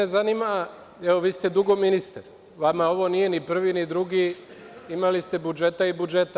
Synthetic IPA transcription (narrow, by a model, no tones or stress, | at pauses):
ezanima | eʋoʋiːst̪ed̪uɡo̞minist̪aɾ | ʋamao̞ʋo̞nije̞nipr̩ʋinid̪ɾuɡi | imalist̪e̞bud͡ʒe̞t̪aibud͡ʒe̞t̪a